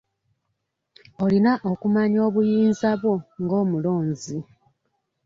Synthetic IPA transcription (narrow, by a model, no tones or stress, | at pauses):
o̞linaʔo̞kumaɲo̞ːβujiːnzaβwo̞ŋɡo̞ːmulo̞ːɲzi